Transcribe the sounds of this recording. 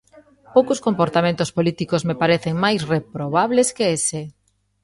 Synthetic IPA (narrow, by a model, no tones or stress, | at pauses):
powkoskõmpoɾt̪amẽnt̪ʊspolit̪ikozmepaɾeθeŋmajsrepɾoβaβleskeese